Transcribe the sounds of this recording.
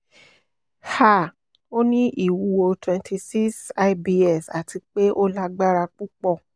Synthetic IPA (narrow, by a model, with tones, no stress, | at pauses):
ha˦˨ | o˦nĩ˦ʔi˦˨wu˨˦o˧twɛ̃˨˧ntʰi˧si˦sa˦˧bi˦˧ɛ˨sa˨tʰi˧k͡pe˦ʔo˦la˦ɡ͡ba˦ɾa˧k͡pu˦k͡pɔ˦˨